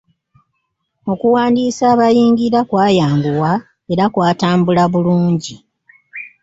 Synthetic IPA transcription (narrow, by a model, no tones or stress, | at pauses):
o̞kuwaːndiːsaːβajiːŋɡiɾakwaːjaːmɡuwa | e̞ɾakwaːtaːmbulaβuluːɲɟi